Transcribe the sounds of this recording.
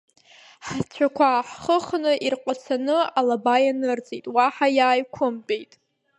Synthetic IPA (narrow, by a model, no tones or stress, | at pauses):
ħt͡ɕʷʰakʷʰaħχəχnɨʔirqʷʼasʰanɨalabajanɨrt͡sʼijtʼwaħajaːjkʷʰʊmpʼejtʼ